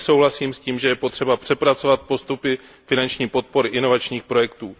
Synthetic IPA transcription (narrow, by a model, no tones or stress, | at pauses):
so̞wɦlasiːmsciːmʒɛjɛpo̞t̪r̝̥ɛbapr̥ɛpɾatt͡so̞vat̪̚po̞st̪upɪ | fɪnant͡ʃɲiːpo̞t̪̚po̞ɾɪʔɪno̞vat͡ʃɲiːxpɾo̞jɛkt̪uː